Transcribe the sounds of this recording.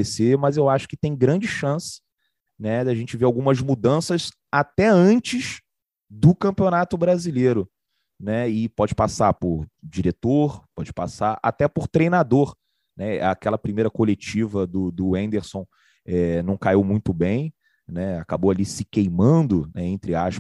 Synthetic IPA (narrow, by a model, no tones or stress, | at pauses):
esemɐzewaʃʊ̥kɪ̥t̪ẽj̃ɡɾɐ̃nd͡ʒɪʃɐ̃sɪ̥ | nɛd̪aʒẽnt͡ʃɪveɾawɡũmɐzmud̪ɐ̃sɐz | at̪ɛɐ̃nt͡ʃɪz | d̪ʊkɐ̃mpionat̪ʊbɾazileɾʊ | nɛɪpɔd͡ʒɪpasapʊɾd͡ʒiɾet̪oɾpɔd͡ʒɪpa̰saɾa̰t̪ɛpʊɾt̪ɾejnad̪oɾ | nɛakɛlɐpɾimejɾɐkolet͡ʃivɐd̪ʊd̪ʊẽnd̪eɾsõw̃ | ɛnɐ̃w̃kaiwmũj̃t̪ʊbẽj̃ | nɛakaboalisɪkejmɐ̃nd̪ʊnɛẽnt̪ɾɪaʃp